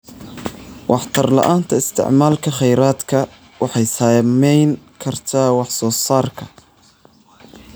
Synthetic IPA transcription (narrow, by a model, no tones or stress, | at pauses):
wʔɑħt̪ʰɐrlɐ̰ʔaːnt̪ʰɐɪst̪ʰɪ̰ʕmaːlkʰɐχɛjɾaːd̪kʰɐ | wɑħɑjsɐmɛjnkʰɐrt̪ʰaːwɑħsɔːsaːrkʰɐ